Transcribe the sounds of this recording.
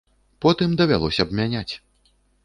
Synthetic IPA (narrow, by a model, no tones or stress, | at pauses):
pɔt̪ɨmd̪ɐvʲa̰lˠɔsʲɐːbmʲanʲat͡sʲ